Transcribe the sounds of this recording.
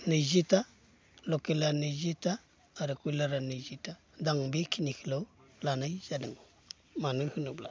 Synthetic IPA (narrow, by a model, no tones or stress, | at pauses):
nɯjzita | lɔkelanɯjzitaː | ɾɯkujlaɾanɯjzita | daŋbikʰinikʰilo | lanajzadɯŋ | manɯŋhɯnubla̰